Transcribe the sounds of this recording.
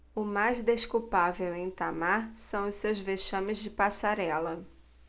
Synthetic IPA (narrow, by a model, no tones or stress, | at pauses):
ʊmajzd̪eʃkuwpavewẽj̃t̪amaɾsɐ̃w̃ʊssewzveʃɐ̃mɪzd͡ʒɪpasaɾɛlɐ